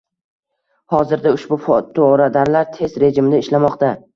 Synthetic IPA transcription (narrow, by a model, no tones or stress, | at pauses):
hɒzɪɾd̪aʊʃbʊft̪ʰoɾad̪aɾlaɾt̪ʰe̞zɾe̞d͡ʒɪmɪd̪aɪʃlamɒqt̪a